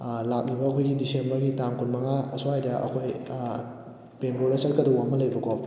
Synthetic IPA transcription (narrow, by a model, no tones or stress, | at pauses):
lak̚nibɐːkʰojɡidisenbɐɾɡitamkʰunmɐŋaɐsuhajdɐʔɐ̰kʰoj | penboɾɐsɐt̚kɐduwamɐlɐjbɐkɔ